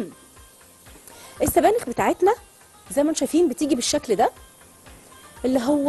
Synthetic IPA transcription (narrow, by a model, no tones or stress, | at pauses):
ʔesːæbæːnexbet̪aːʕet̪næ | zæjːmænʃæjfiːnbet̪iːɡibeʃːækld̪æ | ʔelːiɦowː